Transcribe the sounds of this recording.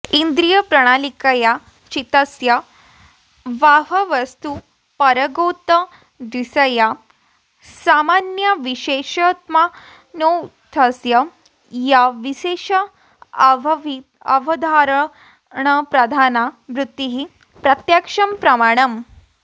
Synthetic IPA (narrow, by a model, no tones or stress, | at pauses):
ind̪ɾijəpɾɐɽ̃alikaja | t͡ʃit̪əsjɐ | ʋaɦɐʋɐst̪u | pɐɾəɡot̪ə | d̪isəja | samanjɐʋiɕeʃət̪ma | not̪ʰəsjɐ | jaʋiʃeʂɐ | i | ɐ̰ʋɐd̪ʱaɾ | ɳ̃əpɾɐd̪ʱanaʋɾut̪ːiɦi | pɾɐt̪jakʂɐmpɾɐmaɽ̃ɐm